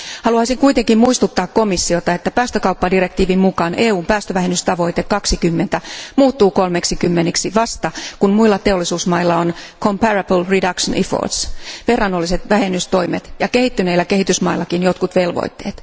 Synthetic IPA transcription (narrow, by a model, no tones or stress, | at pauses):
hɑluɑisiŋkuit̪eŋkimmuist̪ut̪ːɑːkko̞misːiot̪ɑet̪ːæpæːst̪økɑupːɑdirek̚t̪iːʋimmukɑnʔeːuːmpæːst̪øʋæɦenyst̪ɑʋo̞it̪ekɑksikymːent̪æmuːt̪ːuːkolmeksikymːeniksiʋɑst̪ɑkunmuilːɑt̪e̞olːisuːsmɑilːɑonkʰompærɑb̥lridɑkʃonʔifo̰rt̪sʋe̞rːɑnːolːiset̪ʋæhenːyst̪o̞jmet̪jɑkehit̪ːyneilːæke̞ɦhit̪ysmɑilːɑkinjot̪kut̪ʋe̞lʋo̰it̪ːe̞̰ːt̪